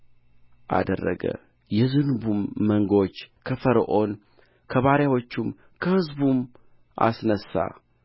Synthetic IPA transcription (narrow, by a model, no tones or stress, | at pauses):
ʔa̰d̪ərːə̰ɡə̰ | jɛzɨnubumːəŋɡo̞t͡ʃːkʰəfəɾəʔo̞n | kʰəβaɾjawo̞t͡ʃːum | kʰəhɨzbum | ʔa̰snəsa̰